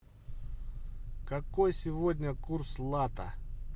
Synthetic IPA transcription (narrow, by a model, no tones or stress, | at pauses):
kɐkojsʲɪvodʲnʲəkurslˠat̪ə̰